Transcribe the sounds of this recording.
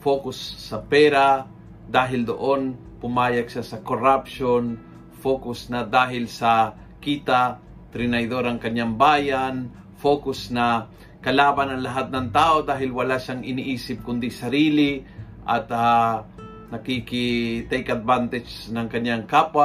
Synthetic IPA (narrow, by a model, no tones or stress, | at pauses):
foːkʊsːɐpɛːɾa | d̪aːɦɪld̪o̰ʔon | pʊmaːjɐɡ̚ʃasɐkoɾapʃon | foːkʊsnɐd̪aːɦɪlsɐ | kiːt̪a | t̪ɾɪnɐjd̪o̞ɾɐŋkɐɲaŋbaːjan | fo̞ːkʊsnɐ | kɐlaːbɐnɐŋlɐɦat̪̚nɐŋt̪aːʔo̞d̪aːɦɪlwɐlaʃaŋɪniʔiːsɪp̚kʊnd̪isɐɾiːlɪ | ʔɐ̰t̪a | nɐkikɪt̪ɛjkɐd̪̚vant̪ɛd͡ʒnɐŋkɐɲːaŋkaːpwa